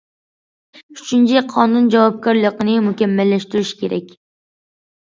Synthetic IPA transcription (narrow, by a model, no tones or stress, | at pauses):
yt͡ʃʰynt͡ʃʰiqʰɑnund͡ʒɑwɑp̚kʰɑɾlˠəqənɪmukʲɛmːɛlːɛʃt̪yɾyʃkʲʰeɾɛ̰kʲ